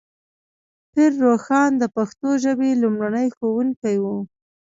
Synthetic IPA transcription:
pɪɾːoxɑnd̪əpaxt̪oʒəbelumɽanəjxowuŋkajwu

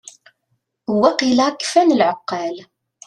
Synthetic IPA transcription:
huwːæqilakːfænəlʕəqːɑl

